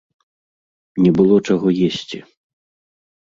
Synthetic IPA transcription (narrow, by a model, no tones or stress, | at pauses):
nʲɛbɨlˠɔt͡ʂaɣɔjesʲt͡sʲi